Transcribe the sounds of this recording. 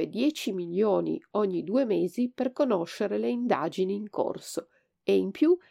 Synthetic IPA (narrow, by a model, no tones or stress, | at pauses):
ed̪jɛːt͡ʃimiljoːnḭoɲːid̪uːemeːziperkonoʃːeɾeleind̪a̰ːd͡ʒiniːŋko̰rso | eimpju